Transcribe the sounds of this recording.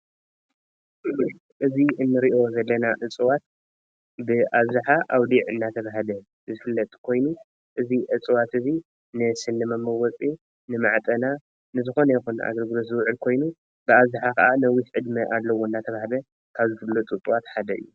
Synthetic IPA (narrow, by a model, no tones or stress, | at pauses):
ʔɨzi | ʔɨziʔɨnːɨɾiʔo̞zɐlːɐnaʕɨt͡sʼɨwat̪̚ | bɨʔaβzɨħaʔawd̪iʕɨnːat̪ʰɐβaɦlɐ | zɨfɨlːɐt̪ʼkʰo̞jnu | ʔɨziʕɨt͡sʼɨwat̪ɨzi | nɨsɨnːɨmɐmːɐwɔt͡sʼi | nɨmaʕt̪ʼɐna | nɨzɨxo̞nɐjxunʔa̰ɡɐlɡɨlos̬zɨwʕɨlkʰo̞jnu | b̥ɨaβzɨħakʰɐʔanɐwisʕɨd̪mɨʔad̪lɐwoɨnːat̪ʰɐβaɦlɐ | kʰaβzɨt̪ʰɨbɨlot͡s̪ʼɨt̪ʼuwat̪ħad̪ɐʔɨ̰jːu